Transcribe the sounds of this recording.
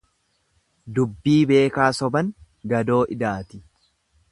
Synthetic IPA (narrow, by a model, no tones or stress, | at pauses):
d̪ʊbːiːbe̞ːkaːsɔbɐŋ | ɡɐd̪o̞ːʔɪd̪aːt̪ɪ̥